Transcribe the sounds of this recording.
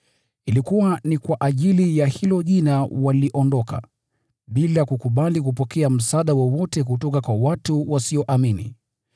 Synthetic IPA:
ilikuwanikwaʔaʄilijahilɔʄinawaliʔɔndɔka̰ | ɓilakukuɓalik̬upɔkɛam̩saɗawɔwɔtɛk̬utɔkakwawatuwasiɔʔaminḭ

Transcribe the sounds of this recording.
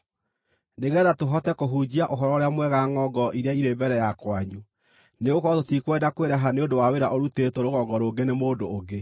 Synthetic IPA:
neɣɛːðatoɦɔtɛkoɦud͡ʑiaʔoɦɔɾɔɾeamwɛɣaŋɔɡɔʔiɾjaiɾebɛɾɛjakwaɲu | neɣokɔtotikwɛdakweɾɛɦaneodowaweɾaʔoɾutetoɾoɣɔɡɔɾoːɡenemoːdoːɡe

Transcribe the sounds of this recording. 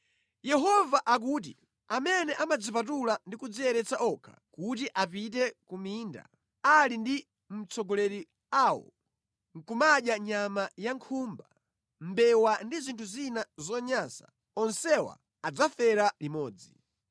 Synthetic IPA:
jɛɦɔvaʔak̬uːtḭ | amɛnɛʔamad͡zipatulandikud͡ziɛɾɛt͡saʔɔkʰḁ̰kut̬iʔapitɛkumiːnda̰ | alindi | m̩t͡sɔɡɔlɛɾi | aːwɔ̰ | ŋ̩kumaɗjaɲamajaŋkʰumba | m̩bɛwandizintʰuzinazɔɲasa̰ | ɔnsɛwa̰ː | d͡zafɛɾalimɔːd͡zi

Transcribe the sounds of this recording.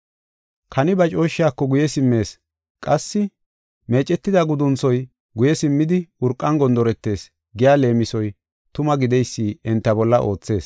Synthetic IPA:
kʰɐnɪbɐt͡ʃʼo̞ːʃːɪjaːkːɔɡʊjɛsɪmːe̞ːs | kʼɐsːɪ | me̞ːt͡ʃʼːɛt̪ːɪd̪ɐɡʊd̪ʊnt͡sɔj | ɡʊjɛsɪmːɪd̪ɪʊɾkʼːɐnɡɔnd̪ɔɾɛt̪ːe̞ːs | ɡɪjaːle̞ːmɪsɔj | t̪ʊmɐɡɪd̪ɛjsːiːɛnt̪ːɐbɔlːɐʔo̞ːt͡sːe̞ːs

